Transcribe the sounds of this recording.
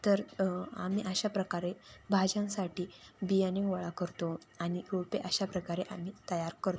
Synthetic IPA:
t̪əɾa̰miːʔəɕapɾəkaɾebʱad͡ʑãnsaʈiːbijaniŋʋəɭakəɾt̪oaɽ̃ioɭpeʔəɕapɾəkaɾeʔamiːt̪əjaɾkəɾt̪o

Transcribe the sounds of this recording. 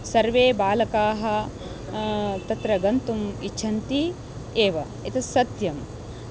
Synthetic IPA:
sɐɾʋeːbaːlɐkaːɦɐ̆ | t̪ɐt̪ɾɐɡɐnt̪umit͡ʃʰɐnt̪i | eːʋɐ | et̪ʰɐsɐt̪jɐm

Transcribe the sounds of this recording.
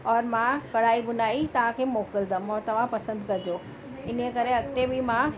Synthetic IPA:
ɔːɾmãkɐɽaːibʊnaːit̪ɐʋ̤ãkʰemoːkəld̪əmɔːɾt̪ɐʋ̤ãpɐsə̃nd̪kɐd͡ʑoː | ɪnekɐɾeɐɡ̚t̪ebimã

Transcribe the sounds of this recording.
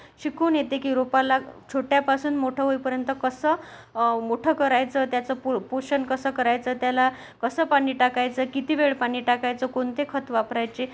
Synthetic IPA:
ɕikuːnjet̪ekiːɾopalat͡ɕʰoʈjapasuːnmoʈʰəɦojpəɾjənt̪əkəsəːmoʈʰəkəɾajt͡səːt̪jat͡səpopoɕənkəsəːkəɾajt͡səːt̪jala | kəsəːpaɽ̃iːʈakajt͡səːkit̪iʋeɭpaɽ̃iːʈakajt͡səkoɳt̪ekʰət̪ʋapɾajt͡ɕe

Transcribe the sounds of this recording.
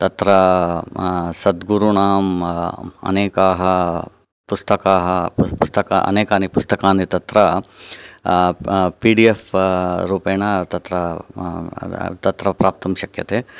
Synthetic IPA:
t̪ɐt̪ɾɐ | sɐd̪ɡuɾuɳaːm | ɐ̰neːkaːɦɐ | pust̪ɐkaːɦɐpust̪ɐka̰ʔɐ̰neːkaːnipust̪ɐkaːnit̪ɐt̪ɾɐ | piːɖiefɾuːpeːɳɐt̪ɐt̪ɾɐ | t̪ɐt̪ɾɐpɾaːp̚t̪ɐmʃɐkjɐt̪eː

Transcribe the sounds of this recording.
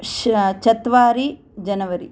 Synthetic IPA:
ʃt͡ʃɐt̪ʋaːɾi | d͡ʒɐnɐʋɐɾi

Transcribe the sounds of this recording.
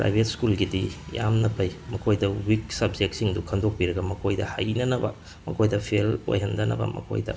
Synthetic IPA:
pɾa̰jbʱetskulɡidija̰mnɐpʰɐjmɐkʰojdɐwiksɐbd͡ʒek̚tsiŋdukʰɐndok̚piɾɐɡɐmɐkʰojdɐha̰jnɐnɐbɐ̰ | mɐ̰kʰojdɐpʰelo̰jɦɐndɐnɐ̰bɐ̰mɐ̰kʰo̰jdɐ̰

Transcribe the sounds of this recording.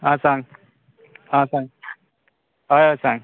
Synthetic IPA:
ãːsaŋ | ãːsãŋ | aasaŋ

